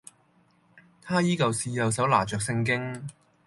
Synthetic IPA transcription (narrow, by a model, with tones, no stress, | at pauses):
t̪ʰaː˥jiː˥kɐ˨wsiː˧jɐ˨ws̬ɐ˨˥wlaː˨˩t͡ʃœː˨k̚sɪ˧ŋk̬ɪ˥ŋ